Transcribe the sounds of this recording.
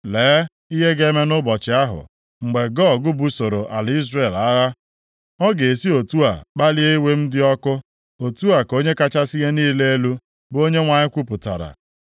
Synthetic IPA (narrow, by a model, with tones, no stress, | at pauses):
leː˨˦ | i˦ɦe˦ɡe˦me˦nʊ˦bɔ˨t͡ʃɪ˨a˦ɦʊ̰˨ | ŋ͡m̩˨ɡ͡be˨ɡɔ˦˨ɡʊ˦bu˨so˨ɾo˨ʔa˨li˦zre˦˨la˦ɣa˦ | ɔ˦ɡe˨e˨si˦o˨tu˦a˨k͡pa˦li˦e˦i˦we˦m̩˦dɪ˦ɔ˦kʊ˦ | o˨tu˦a˨ko˦ɲe˦ka˦t͡ʃa˦si˦ɦe˦niː˦le˦e˦lu˦ | bo˦ɲe˦ŋʷa˨ɲɪ˦kʷu˦pʊ˨ta̰˨ɾa̰˨